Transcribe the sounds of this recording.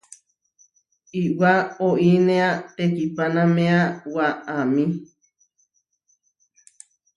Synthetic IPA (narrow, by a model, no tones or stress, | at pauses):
iwaoʔinẽat̪ekipanãmẽawaamĩ